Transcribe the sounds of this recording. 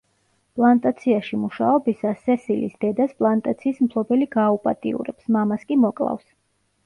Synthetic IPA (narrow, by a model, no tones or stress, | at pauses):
pʼlˠant̪ʼat̪sʰiaʃimuʃaɔbisasɛsilḭsd̪ɛd̪aspʼlˠant̪ʼat̪sʰiːsmpʰlˠɔbɛliɡaːupʼat̪ʼiṵɾɛpsmamaskʼimɔkʼlˠa̰fs